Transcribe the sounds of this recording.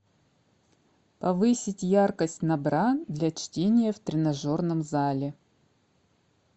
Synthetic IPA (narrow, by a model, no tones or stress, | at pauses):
pɐvɨsʲɪtʲjarkəsʲtʲnɐbɾad̪lʲat͡ɕtʲenʲɪjəft̪ɾʲɪnɐʐo̞rnəmzalʲɪ